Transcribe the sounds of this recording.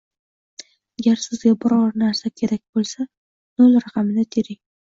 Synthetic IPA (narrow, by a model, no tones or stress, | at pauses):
aɡʲaɾsɪzɡʲabɪɾɒɾnaɾsakʲʰe̞ɾak̚ʲbolˠsa | nolˠɾɑqʰɑmɪnɪt̪ʰeɾɪŋ